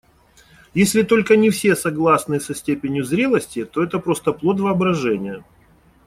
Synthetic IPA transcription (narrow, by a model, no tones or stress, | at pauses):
jesʲlʲɪt̪o̞lʲkənʲɪfsʲe̞sɐɡlˠasnɨsɐsʲtʲepʲɪnʲjʊzɾʲelˠəsʲtʲɪt̪o̞ɛt̪əpɾo̞st̪əplˠo̞t̪vəɐbɾɐʐɛnʲɪjə